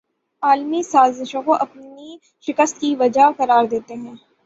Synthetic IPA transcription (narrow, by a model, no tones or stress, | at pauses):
aːlmisaːzɪʃõkoʔɐpni | ʃɪkəst̪kiʋɐd͡ʒakɐɾaːɾd̪eːt̪eɦɛ̃ː